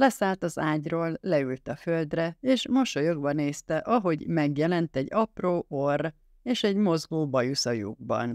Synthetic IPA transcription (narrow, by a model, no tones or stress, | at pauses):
lɛsaːlt̪ɒzaːɟroːlːɛylt̪ɒføld̪rɛeːʃmo̞ʃojo̞ɡbɒneːst̪ɛʔɒɦo̞ɟmɛɡjɛlɛnt̪ɛɟːɒproːʔor | eːʃɛɟmo̞zɡoːbɒjusɒjṵɡ̚bɒ̰n